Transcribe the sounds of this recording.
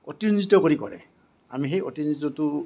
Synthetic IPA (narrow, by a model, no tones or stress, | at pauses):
o̰tinzitːɔkoɹikɔ̰ɹɛ̰ | a̰mixejʔotinitːɔtʊ